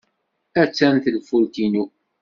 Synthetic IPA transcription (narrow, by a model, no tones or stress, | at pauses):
æt͡sːænθəlfult̪inu